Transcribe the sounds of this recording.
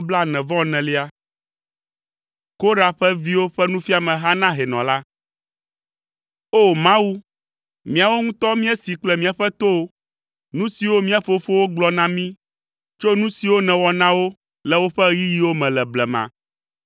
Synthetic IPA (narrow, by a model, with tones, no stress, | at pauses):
bla˦nɛ̃˨vɔ̃˦nɛ̃˨li˦a˦ | ko˦ɖa˨ɸɛ˦vi˦wo˦ɸɛ˦nũ˦fi˦a˨mɛ̃˨ɦa˦nã˦ɦɛ˨nɔ̰̃˨la˦ | o˦mã˦wu˦ | mĩ˦a˨wo˦ŋũ˦t̪ɔ˦mĩ˦ɛ˦si˨k͡plɛ˦mĩ˦a˨ɸɛ˦t̪o˦ | nũ˦si˨wo˦mĩ˦a˦fo˦fo˦wo˦ɡ͡blɔ˦nã˦mĩ˦ | t͡ʃo˦nũ˦si˨wo˦nɛ̃˨wɔ˨nã˦wo˦ | lɛ˨wo˦ɸɛ˦ji˦ji˦wo˦mɛ̃˨lɛ˨blɛ˨mã̰˨